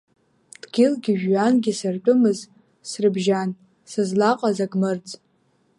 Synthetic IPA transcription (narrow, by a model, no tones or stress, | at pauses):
d̥ɡʲɪlɡʲɪʒᶣːanɡʲɪsɨrt͡pʷʼʊmɨz | srɨbʒan | sɨzlaqʼazaɡʼmɨrt͡sʼ